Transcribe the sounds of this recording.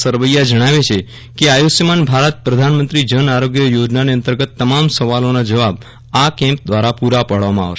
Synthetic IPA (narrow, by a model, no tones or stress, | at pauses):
səɾʋəjad͡ʒəɽ̃aʋet͡ʃʰe | keajosjəmanbʱaɾət̪̚pɾəd̪ʱanmənt̪ɾid͡ʒənaɾoɡjəjod͡ʒnaneənt̪əɾɡət̪ːəmamsəʋalonad͡ʒəʋab | akɛ̃mp̚d̪ʋaɾapuɾapaɽʋamãa̰ʋʃ